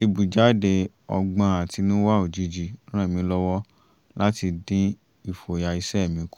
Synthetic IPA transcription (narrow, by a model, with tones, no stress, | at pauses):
e˧bu˨d͡ʒa˨˦˨de˧ | ɔ̰˧ɡ͡bã˧˦a˨ti˨˧˦nũ˦wa˦o˨d͡ʒi˨˧˦d͡ʒĩ˧˦ã˦˨mĩ˨˦lɔ˧wɔ˦ | la˦ti˧dĩ˦ | i˦˨fo˨ja˨i˧sɛ˦˨mĩ˨˦ku˦